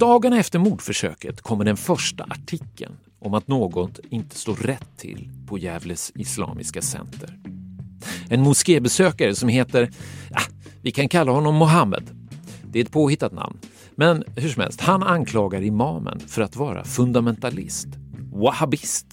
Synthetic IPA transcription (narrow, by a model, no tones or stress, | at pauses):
d̪̥ɑːɡanaɛft̪əɾmuːd̪fœʂø̰ːkət̪kʰɔmːəɖɛnfœʂʈaʔaʈʰɪkːə̰n | ʔɔmat̪noːɡɔt̪ɪnt̪ə̥st̪oːɾɾɛt̪ʰːɪ̰lpʰɔjɛːvləsɪslɑ̰ːmɪskasɛ̰nt̪ʰəɾ | ɛnmʊskeːbɛsøːkaɾəsɔmheːt̪əɾja̰vɪkʰankʰalːaɦɔnːɔmːʊɦamːə̰d̪ | d̪̥ɛɛɛt̪̚pʰoːhɪt̪ːat̪na̰mn | mɛnhɵʂ̬ɔmhɛ̰lst̪hanankʰlɑːɡaɾɪmɑːmə̰nfœɾat̪vɑːɾa̰fɵnd̪amɛnt̪alɪ̰st̪wahabɪst̪